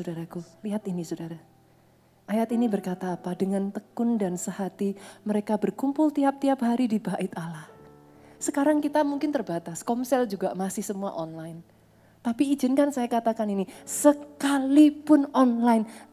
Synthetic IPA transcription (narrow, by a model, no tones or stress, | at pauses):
sodaɾakuliɦat̪inisodaɾa | ʔajat̪inibərkat̪aːpadəŋant̪əkʊndansəhat̪iməɾekabərkumpʊlt̪iap̚t̪iap̚ɦaɾidibaʔɪt̪alah | səkaɾaŋkit̪amuŋkɪnt̪ərbat̪askɔmsɛld͡ʒuɡamasɪhsəmua̰ʔɔnlajn | t̪apiːd͡ʒɪnkansajakat̪akaninisəkalipʊnɔnlaɪn